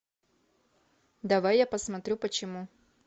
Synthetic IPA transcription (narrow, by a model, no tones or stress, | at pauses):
d̪ɐvajːapəsmɐt̪ɾʲupət͡ɕɪmu